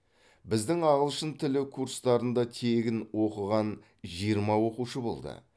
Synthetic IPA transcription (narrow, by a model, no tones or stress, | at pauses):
bɪzd̪ɪŋɑʁəlˠʃənt̪ʰɪlɪkʰuɾst̪ɑɾənd̪ɑt̪ʰe̞ɡʲɪnwo̞qəʁɑn | ʒijəɾmɑwo̞quʃəbo̞̰lˠd̪ə̰